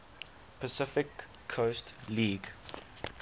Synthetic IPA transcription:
pʰəsɪfɪkʰːostliːɡ

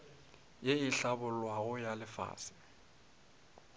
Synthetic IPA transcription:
jeiɬabʊlwaɣʊjalɪfa̰ːsɪ̥

